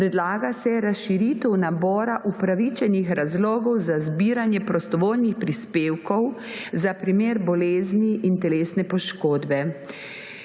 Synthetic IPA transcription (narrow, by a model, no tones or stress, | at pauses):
pɾɛd̪laːɡasɛɾasʃiɾit̪ɛwnabɔːɾaʔupɾaʋit͡ʃɛnixɾazlɔːɡɔwzazbiːɾanjɛpɾɔst̪ɔʋoːlnixpɾispeːwkɔw | zapɾimeːɾbɔleːzniʔint̪ɛleːsnɛpɔʃkoːd̪bɛ